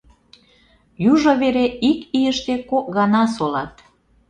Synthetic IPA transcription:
juʒoβeɾeikijəʃt̪ekok̚ɣɑnɑsolɑt̪

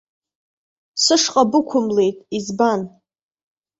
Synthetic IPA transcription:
sɨʂqʼabɨkʷʰʊmle̞jtʼizban

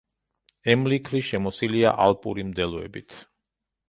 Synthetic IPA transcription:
ɛmlikʰɾiʃɛmɔsilia̰ʔalˠpʼṵɾimd̪ɛlˠɔɛ̰bit̪ʰ

